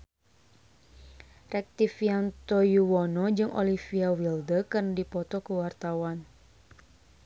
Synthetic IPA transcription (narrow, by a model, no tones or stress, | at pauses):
rɛk̚t̪ifiant̪ɔjuwɔnɔd͡ʒɨŋʔo̰lifiawildəkɨrnadipɔt̪ɔkəwart̪awan